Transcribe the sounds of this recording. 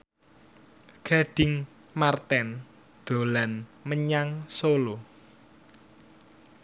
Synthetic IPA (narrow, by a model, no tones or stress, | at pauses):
ɡ̥a̤ɖ̥ɪ̤ŋ | mart̪ɛn | d̪̥o̤lanməɲaŋsolo